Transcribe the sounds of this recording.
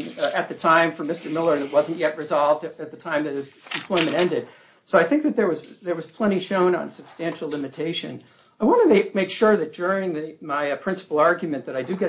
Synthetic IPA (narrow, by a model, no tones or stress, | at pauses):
ɨt̪̚ðɨtʰãɪ̃ɱfə˞mɪstə˞mɪlˠə˞ɨ̃nɨt̚wʌzɨ̃n̩ʔjɛt̚ɹɨzɑlˠvdɨt̪̚ðɨtʰãɪ̃mðɨɾ̚ɨzɨ̃m̩pʰl̥ɔ̃ɪ̃mɨ̃ɾ̃ɛ̃ndɨd̥̚ | soʊaɪθɪ̃ŋk̚ðɨt̪̚ðə˞wʌz̥ðə˞wʌz̥pʰl̥ɛ̃ɾ̃iʃõʊ̃nə̰̃nsɨb̥stæ̃nʃl̩ˠlɪ̃mɨtʰeɪʃɨ̰̃n | aɪwɑ̃nɨmeɪmeɪkʃʊɹðɨt̚d̥ʊɹɪ̃ŋðɨmaɪpʰɹ̥ɪ̃nsə̥pl̩ˠɑɹɡjmɨ̃nðɨɾaɪdɨɡɛ